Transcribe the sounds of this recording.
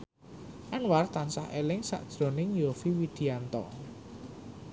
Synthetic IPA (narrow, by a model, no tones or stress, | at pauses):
ʔanwart̪ansahelɪŋsa̰ʔd̥ʒ̥ɾɔ̤nɪŋjofiwid̪̥i̤ant̪ɔ̰